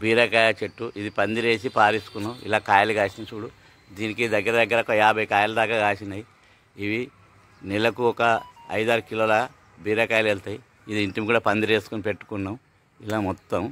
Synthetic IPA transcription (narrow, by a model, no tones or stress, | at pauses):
biːɾɐkaːjlɐt͡ʃeʈːuʔid̪ipɐnd̪iɾe̞ːsipaːɾisu̥kunːɐwḭlaːkaːjɐluɡaːsint͡ʃuːɽu | d̪iːnikid̪ɐɡːɐɾɐd̪ɐɡːɐɾɔkɐjaːbʱɐjkaːjɐlɐd̪aːkaɡaːʃinɐji | iʋi | nɛlɐkuɔkɐɐ̰jd̪aːɾukiloːlɐ | biːɾɐkaːjɐlelt̪aji | id̪iiɳʈimikuːɽapɐnd̪iɾeːsu̥kunipe̞ʈːu̥kunːɐm | ilaːmɔt̪ːɐm